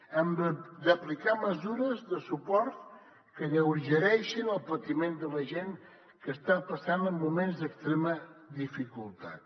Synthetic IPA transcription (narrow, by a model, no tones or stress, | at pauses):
əmbəd̪əplikaməzuɾəzðəsupɔɾt̪ | kəɣəwɾʒəɾɛʃinəlˠpət̪imend̪ələʒeŋ | kəst̪apəsanəmːumenzd̪əkst̪ɾɛməðifikulˠt̪a̰t̪